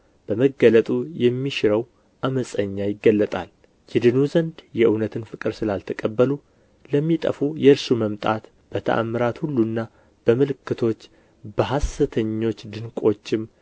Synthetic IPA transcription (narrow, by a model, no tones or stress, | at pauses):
b̥əməɡːələt̪ʼujɛmːiʃɪɾəw | ʔaməsʼəɲːajɪɡːəlːət̪ʼa̰l | jɛd̪ɨnuzənd̪jɛʔɨwnət̪ʰɨnfɨkʼɨɾsɨlalt̪ʰəkʼəbːəlu | ləmːit̪ʼə̰fujɛɨɾsuməmt̪ʼat̪ | b̥ət̪ʰə̰ʔa̰mɨɾat̪hulːunːa | b̥əmɨlɨkːɨt̪ʰo̞t͡ʃː | bəɦasɨt̪ʰəɲːo̞t͡ʃːd̪ɨnkʼo̞t͡ʃːɪm